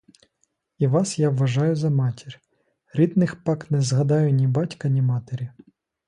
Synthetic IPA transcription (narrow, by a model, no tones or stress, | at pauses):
iʋɑsjaʋːɐʒɑjʊzɐmɑtʲirʲ | ɾʲid̪nɪxpɑknɛzɦɐd̪ɑjʊnʲibɑtʲkɐnʲimɑt̪eɾʲi